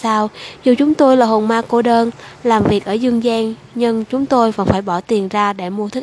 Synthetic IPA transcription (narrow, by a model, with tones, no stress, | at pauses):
saː˧wzu˨˩t͡ɕʊ˨˦ŋ͡mt̪o˧jlaː˨˩ho˨˩nmaː˧ko˧˩ɗəː˧nlaː˨˩mvi˨˩ək̚ʔəː˧˩zɨ˧əŋzɛː˧nŋ | ɲɨ˧ŋt͡ɕʊ˨˦ŋ͡mt̪o˧jvə˧˥nfaː˧˩jɓɔ˧˩t̪i˨˩ənzaː˧ɗe˧˩mu˧ət̪ʰk̚